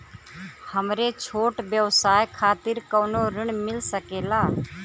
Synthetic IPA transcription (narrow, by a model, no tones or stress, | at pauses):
həmɾet͡ʃʰoːʈbjəwsaːjkʰaːt̪iɾkənoɾɪɳ̃mɪlsəkelaː